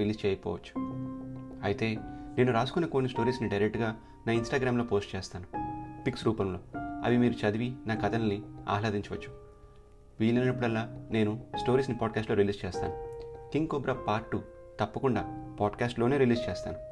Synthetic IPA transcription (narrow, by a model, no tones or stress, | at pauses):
iliːst͡ʃɛːjɐpɔ̰ːʋɐt͡ʃːu̥ | ɐjit̪e̞ːne̞ːnuɾaːsu̥kunːɐko̞ːnːisʈo̞ːɾiːsniɖɐjɾek̚ʈɡaː | naːinsʈaːɡɾaːmlo̞ːpo̞ːsʈt͡ʃeːst̪aːnupiksɾuːpɐmlo̞̰ːɐ̰ʋimiːɾut͡ʃɐd̪iʋinaːkɐt̪ʰɐnɐnːia̰ːlaːd̪iɲt͡ʃɐʋɐt͡ʃːu̥ | ʋiːlɐnnɐpːuɽɐlːaːne̞ːnusʈo̞ːɾiːsnipaːɖkaːsʈlo̞ːɾiliːst͡ʃeːst̪a̰ːnukiŋɡkoːbɾaːpaːɾʈːut̪ɐpːɐkuɳɖaːpaːɖkaːsʈlo̞ːne̞ːɾiliːst͡ʃeːst̪a̰ːnu